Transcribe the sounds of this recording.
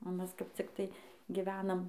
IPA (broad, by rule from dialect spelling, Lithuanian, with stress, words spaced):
oː ˈmʲɛs kɐp ˈt͡sʲɪktɐɪ ɡʲɪˈʋʲæːnɐm